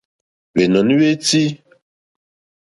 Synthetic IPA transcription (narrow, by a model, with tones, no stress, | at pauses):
we˨nɔ˨ni˦we˦ti˦